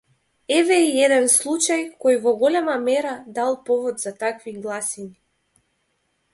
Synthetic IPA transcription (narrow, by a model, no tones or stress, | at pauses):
ɛvɛiɛd̪ɛnslˠut͡ʃajkɔjvɔɡɔlɛmamɛɾad̪alˠpɔvɔd̪z̥at̪akviɡlˠasini